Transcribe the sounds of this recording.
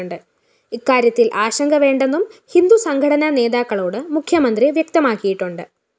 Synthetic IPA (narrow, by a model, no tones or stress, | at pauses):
uɳɖɨ | ikːaːɾjɐt̪ːilʔaːɕɐŋɡʱɐʋe̞ːɳɖenːumhind̪usɐŋɡʱɐɽɐnɐne̞ːd̪aːkːɐɭoːɽɨmukʰjɐmɐnd̪riʋjɐk̚t̪ɐmaːkːijiʈːuɳɖɨ